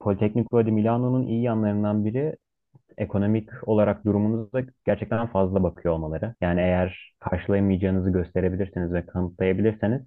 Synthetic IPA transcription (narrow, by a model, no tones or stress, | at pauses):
pʰo̞lʲit̪ʰɛcʲnikɾod̪imilʲanonunʔḭjijanlˠaɾɯnd̪anbiɾi | e̞kʰo̞no̞mico̞lˠaɾak̚d̪uɾumunuzd̪aɟ̥æɾt͡ʃʰɛc̚t̪ʰænfazlˠabakʰɯjoolˠmalˠaɾɯjaːniejæɾ̥kʰaɾʃɯlˠajamɯjd͡ʒaːɯnɯzɯɟø̞st̪ʰe̞ɾe̞bilʲiɾsinizvɛkʰanɯt̪lˠajabilʲiɾsiniz̥